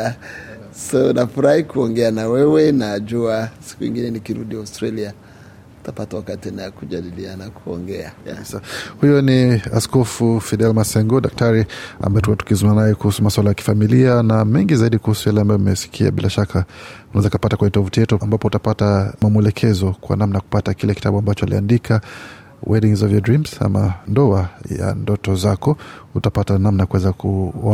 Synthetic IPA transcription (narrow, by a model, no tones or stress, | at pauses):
saunafuɾahikuɔŋɡɛanawɛwɛnaʄuasi̥kuwḭŋɡinɛnikiɾuɗiaustɾalia | u̥tapatawakatiɛnajɔkuʄaɗilianakʰuɔ̰ŋɡɛaisahujɔniaskɔfufidɛlmasɛŋɡɔɗak̚taɾia̰mbaɛtukuatu̥kizumaanajɛkuhusumaswalajaki̥familianamɛŋɡizaiɗikuhusujalɛambajɔmɛsi̥kʰia̰ɓilʔaʃakʰaunaɛzaukapatakwaɲɛtɔvutijɛtuambapɔutapatamamuɛlɛkʰɛzɔkwa̰namnajaku̥patakilɛki̥tʰa̰ɓuambat͡ʃɔalḭa̰ndikʰa | wʔɛɗiŋzɔvjɔdɹimz̥a̰ma̰ndɔaja̰ndɔtɔzakɔutapatanamnajakuwɛzakʰuɔ